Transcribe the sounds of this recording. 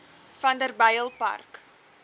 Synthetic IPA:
fɐndərbəjəlˠpɐ̰rk

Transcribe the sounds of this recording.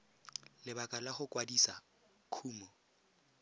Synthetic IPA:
lɪbakʼalaχʊkʼwadisa | kʰuːmɔ

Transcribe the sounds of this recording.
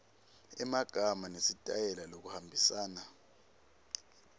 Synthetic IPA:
ɛmaɡ̥ʱamanesitʼajɛlalok̬uhambʱisaːna

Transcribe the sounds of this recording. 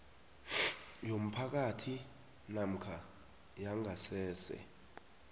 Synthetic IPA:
jom̩pʰak̬atʰi | nam̩kʰa | jaŋɡʱasɛːsɛ̰

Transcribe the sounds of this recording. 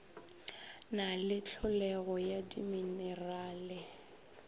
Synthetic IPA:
nalɪt͡ɬʰʊlɛɣɔjadiminɛraːlɪ

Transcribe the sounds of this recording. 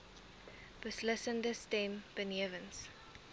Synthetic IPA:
b̥əslɪsə̃ndəstɛ̃mb̥ənɛvə̃ns

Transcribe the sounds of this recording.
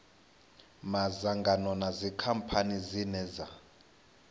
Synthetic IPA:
mazaŋɡanɔnazikʰampʰanizinɛza

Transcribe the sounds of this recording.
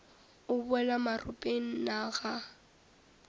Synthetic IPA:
ʊbʊɛlamarʊpʼeŋ̩naɣa

